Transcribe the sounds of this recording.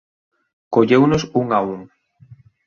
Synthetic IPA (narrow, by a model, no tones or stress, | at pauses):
koʎewnʊsuŋauŋ